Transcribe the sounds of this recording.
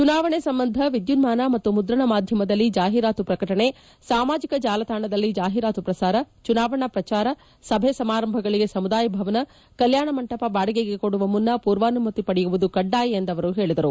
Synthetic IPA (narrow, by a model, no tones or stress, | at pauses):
t͡ʃunaːʋɐɳesɐmbɐnd̪ʱɐʋid̪junmaːnɐmɐt̪ːumud̪ɾɐɳɐmaːd̪ʱjɐmɐd̪ɐlːid͡ʒaːɦiɾaːt̪upɾɐkɐʈɐɳe̞ | saːmaːd͡ʒikɐd͡ʒaːlɐt̪ʰaːɳɐd̪ɐlːid͡ʒaːɦiɾaːt̪upɾɐsaːɾɐt͡ʃunaːʋɐɳɐpɾɐt͡ʃaːɾɐ | sɐbʱesɐmaːɾɐmbʱɐɡɐɭiɡe̞sɐmud̪aːjɐbʱɐʋɐnɐ | kɐljaːɳɐmɐɳʈɐpɐbaːɽɐɡeɡekoɽuʋɐmunːɐpuːɾʋaːnumɐt̪ipɐɽɛjuʋud̪ukɐɖːaːjiend̪ɐʋɐɾuɦe̞ːɭid̪ɐɾu